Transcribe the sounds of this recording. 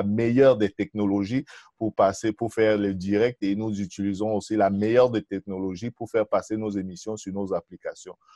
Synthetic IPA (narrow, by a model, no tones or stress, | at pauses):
amejœʁd̪ɛt̪ɛk̚nolɔʒipuʁpasepuʁfɛʁlɛd̪iʁɛk̚t̪enuzyt̪ilizɔ̃osilamejœʁd̪ɛt̪ɛk̚nolɔʒipuʁfɛʁpasenozemisjɔ̃syʁnozaplikasjɔ̃